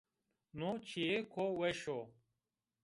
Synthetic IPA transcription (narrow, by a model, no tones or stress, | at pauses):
not͡ɕʰiekʰoːweɕo